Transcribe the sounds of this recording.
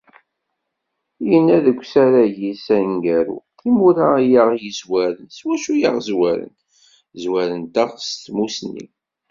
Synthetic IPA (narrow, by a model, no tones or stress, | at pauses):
jənːæðəɡʷːsæɾæʝisæŋɡæɾṵθimuɾajaʁjəzwæɾənswæʃujaʁzwæɾə̰n | zwæɾənt̪aʁst̪musnḭ